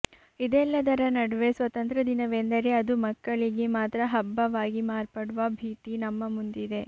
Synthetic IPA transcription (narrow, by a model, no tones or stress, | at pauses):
id̪ɛlːɐd̪ɐɾɐnɐɽɐʋe̞sʋɐt̪ɐnt̪ɾɐd̪inɐʋend̪ɐɾe̞ɐd̪umɐkːɐɭiɡe̞maːt̪ɾɐɦɐbːɐʋaːɡimaːɾpɐɽuʋɐbʱiːt̪inɐmːɐmund̪id̪e̞